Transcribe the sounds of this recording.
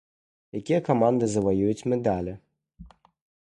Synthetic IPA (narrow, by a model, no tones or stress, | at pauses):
jakʲijɐkamand̪ɨzɐvajujut͡sʲmʲɛd̪alʲɛ